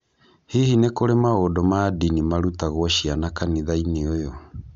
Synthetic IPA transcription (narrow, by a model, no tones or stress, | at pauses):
hihinekoɾemaodɔmadinimaɾutaɣɔɕianakaniðaineojɔ